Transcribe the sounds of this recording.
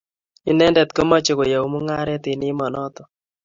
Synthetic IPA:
i˦nɛ˦ndɛ˨t̪ko˦ma˦t͡ʃe˨ko˨ja˨wmu˦ŋa˦ɾɛ˦ti˨ni˦mɔ˨nɔ˦tɔ˨

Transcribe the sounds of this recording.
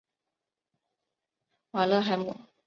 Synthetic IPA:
wa˨˩lɤ˥˧˨xa˧ɪmṵ˨˩˨

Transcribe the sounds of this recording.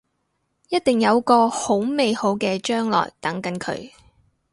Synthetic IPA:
jɐ˥t̚t̪ɪ˨ŋjɐ˨˧wkɔː˧ho˨˥wme˨jho˨˥wkɛː˧t͡ʃœː˥ŋlɔ̰ː˨˩jt̪ɐ˨˥ŋkɐ˨˥nkʰɵ̰˨˥ɥ

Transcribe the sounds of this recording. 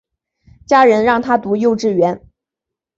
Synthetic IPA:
t͡ɕja˥ɻə˧˥nɻɑ˥˩ŋt̪ʰa˥t̪u˧˥jo˥˧ʊʈ͡ʂɻ̩˥˩ɥɛ˧˥n

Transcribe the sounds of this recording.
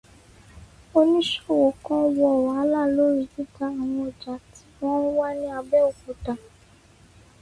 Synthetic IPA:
o˧nĩ˦ʃɔ˦˨wo˨kɔ̃˦˧˦wɔ˧ɔ˨wa˨a˨˦la˦˨lo˦ɾi˦˨ti˦ta˧a˨w̃ɔ̃˧˨d͡ʒa˨ti̥˨˦wɔ̃˦wa˦nĩ˦a˧bɛ˦o˨ku˨ta˨

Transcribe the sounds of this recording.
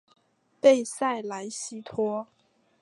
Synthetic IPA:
pe˥˧ɪsa˥˩ɪla˧˥ɪɕi˥t̪ʰwɔ˥

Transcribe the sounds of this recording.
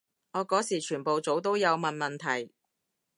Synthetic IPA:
ŋɔː˨˧kɔː˨˥siː˨˩t͡ʃʰyː˨˩npo˨wt͡so˨˧wt̪o˥wjɐ˨˧wmɐ˨nmɐ˨nt̪ʰɐ˨˩j

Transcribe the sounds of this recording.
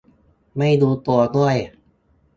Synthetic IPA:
ma˥˩jduː˧t̪u˧ɐdu˥˩əj

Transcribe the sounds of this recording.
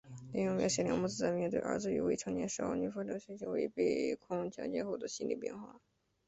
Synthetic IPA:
li˥ŋjʊ˥˧ŋmjɑ˧˥ʊɕɛ˧˥˩ljɑ̰˧˥ŋmu˥˩t͡sɹ̩˥t͡sa˥˧ɪmjɛ˥˧nt̪we˥˩ə̰˞˧˥t͡sɹ̩˥y̰˧˥we˥˩ʈ͡ʂʰɤ˧˥ŋɲjɛ˥˩nʂɑ˥˩ny˧˥˩fljɑ˧˥ɕɛ˧˥nt͡ɕʰjo˧˥wḛ˧˥˧ɪpe˥˩ɪkʰʊ˥ŋt͡ɕʰjɑ̰˧˥t͡ɕjɛ˥˧xo˥˩ʊd̪ə˦ɕi˥nlḭ˥˩pjɛ̰˥˧nxwa̰˥˩

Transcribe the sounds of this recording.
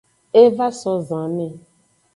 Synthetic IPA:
e˦va˦sɔ̃˦zã˨nɛ̃˦˨

